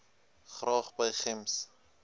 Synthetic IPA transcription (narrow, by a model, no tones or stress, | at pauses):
χrɑːχbəjχɪms